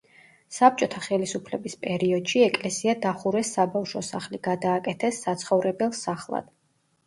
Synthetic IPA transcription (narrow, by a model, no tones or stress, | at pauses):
sap̚t͡ʃʼɔt̪ʰaχɛlisupʰlɛbispʼɛɾiɔd̪̥ʃiɛkʼlɛsiad̪aχuɾɛsːabafʃɔsaχliɡ̥ad̪aːkʼɛt̪ʰɛsːat̪sʰχɔvɾɛbɛlˠsaχlˠa̰d̪̥